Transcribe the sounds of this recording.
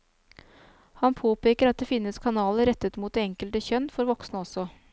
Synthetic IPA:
hɑnpʰoːpeːkəɾɑt̪̚d̪ɛfɪnːəskʰɑnɑːləɾɛt̪ːət̪muːt̪d̪ɛɛŋkəlt̪əçœnːfɔɾʋɔksnəɔsɔ

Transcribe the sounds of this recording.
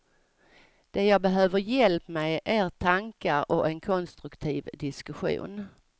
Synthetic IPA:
d̪̥ɛjɑːbɛɦøːvəɾjɛlpmɛjʔeːɾt̪ʰaŋkaɾɔʔɛnkʰɔnst̪ɾɵkt̪ʰiːvd̪ɪskɵɧṵːn

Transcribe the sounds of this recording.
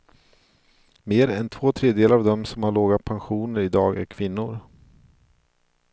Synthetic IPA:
meːɾɛnt̪ʰvoːt̪ʰɾeːd̪jeːlaɾavd̪ɔmsɔmhaɭoːɡapʰanɧuːnəɾɪd̪ɑːɡæ̰ɾkʰvɪnːʊɾ

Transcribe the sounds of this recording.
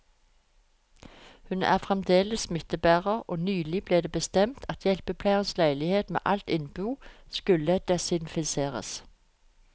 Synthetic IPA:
hʉnæ̰ːʁfʁɛmd̪eːləsmɪt̪əbæːʁəʁʔoːnyːlɪbleːd̪eːbəst̪ɛmt̪ʰɑt̪ʰjɛlpəpʰlæɪənslæɪlɪheːt̪mḛːʔɑlt̪ɪnbuːskʉləd̪̥ɛsɪnfɪseːʁə̰s

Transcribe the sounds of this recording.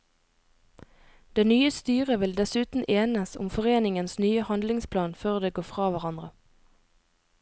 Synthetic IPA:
d̪̥eːnyːəst̪yːʁəʋɪld̪ɛsʉːt̪n̩ʔeːnəsʊ̰mfɔʁeːnɪŋənsnyːəhɑnd̪lɪŋspʰlɑːnføːʁd̪eːɡoːfʁɑːʋæʁɑnd̪ʁə

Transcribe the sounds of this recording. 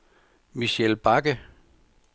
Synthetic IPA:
miɕelb̥ɑ̈ɡ̥ə

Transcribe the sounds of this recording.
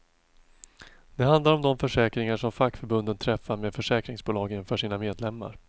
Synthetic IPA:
d̪̥ɛɦand̪laɾɔmd̪ɔmfœʂɛːkɾɪŋaʂɔmfakːfœɾbɵnd̪ənt̪ʰɾɛfːameːd̪fœʂɛːkɾɪŋsbuːlɑːɡɪnfœʂiːnameːd̪lɛmːa̰ɾ

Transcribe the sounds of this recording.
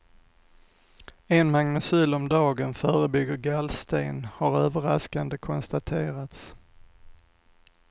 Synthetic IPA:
ɛnmaŋnɵsyːlɔmd̪ɑːɡənfœːɾəbʏɡːəɾɡalst̪eːnhaɾøːvəɾaskand̪əkʰɔnst̪at̪ʰeːɾat̪s

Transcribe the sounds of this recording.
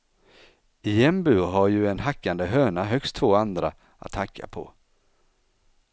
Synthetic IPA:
ɪjɛmbʉɦaɾjɵɛnɦakːand̪əɦøːɳaɦœkst̪ʰːvoːand̪ɾa | a̰t̪hakʰːa̰pʰɔ̰

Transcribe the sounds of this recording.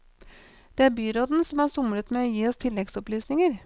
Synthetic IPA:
d̪̥eːæɾbyːɾoːd̪n̩sɔmhɑsʊmlət̪meɔjiːɔst̪ʰɪlːɛɡsɔplyːsnɪŋəɾ

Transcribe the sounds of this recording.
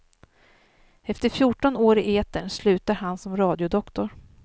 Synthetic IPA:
ɛft̪əɾfjuʈːɔnoːɾɪʔeːt̪əɳslʉ̟ːt̪aɾɦansɔmɾɑːd̪jʊd̪ɔkt̪ʊɾ

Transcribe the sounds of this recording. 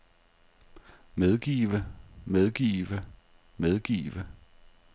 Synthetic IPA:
með̞ˠɡ̥ḭːʋəmeð̞ˠɡ̥ḭːʋə | með̞ˠɡ̥ḭːʋə

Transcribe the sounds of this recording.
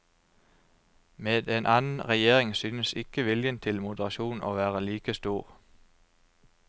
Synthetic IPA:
meːd̪eːnʔɑːnn̩ʁɛjeːʁɪŋsyːnəsɪkəʋɪljənt̪ʰɪlmʊd̪əʁɑʃuːnʔo̰ːʋæːʁəliːkəst̪uːʁ

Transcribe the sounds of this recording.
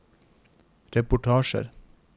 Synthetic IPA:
ɾɛpʊʈʰɑːʃə̰ɾ

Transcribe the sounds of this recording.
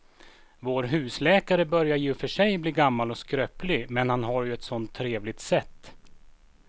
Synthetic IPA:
voːɾɦʉ̟ːslɛːkaɾəbœɾjaɾjɵfœʂɛjbliːɡamːalɔskɾøːplɪmɛnhanɦaɾjɵɛt̪sɔnt̪ʰːɾeːvlɪt̪sɛt̪ː

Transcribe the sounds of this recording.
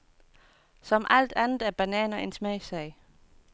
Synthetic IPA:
sɒ̽mʔæl̰d̥ænð̩ˠæɐb̥ænɛ̰ːnɐensmɛɪsɛɪ

